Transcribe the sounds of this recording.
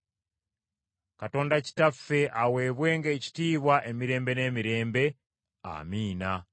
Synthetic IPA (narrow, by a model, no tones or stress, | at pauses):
kato̞ːndaci̥tafe̞ʔawe̞ːβwe̞ːŋɡeci̥tiːβwaʔe̞miɾe̞ːmbe̞ne̞ːmiɾe̞ːmbe̞ | a̰miːna